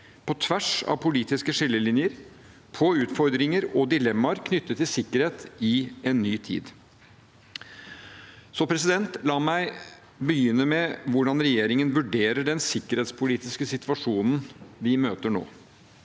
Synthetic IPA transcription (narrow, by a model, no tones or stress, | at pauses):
pʰɔt̪ʰʋæʂɑ̰ʋpʰʊliːt̪ɪskəʂɪlːəlɪnjəɾ | pʰɔʉːt̪fɔɾd̪ɾɪŋəɾɔd̪ɪlɛmːɑɾkʰnʏt̪ːət̪ʰːɪlsɪkːəɾheːt̪ɪɛnːyːt̪ʰḭːd̪ | sɔpʰɾɛsɪd̪ɛnt̪lɑːmæɪ | bəjʏnːəmɛʋʊɖɑnɾɛjeːɾɪŋənʋʉɖeːɾəɖɛnsɪkːəɾheːt̪spʰʊliːt̪ɪskəsɪt̪ʋɑʂuːnn̩ʋɪmøːt̪əɳo̰ː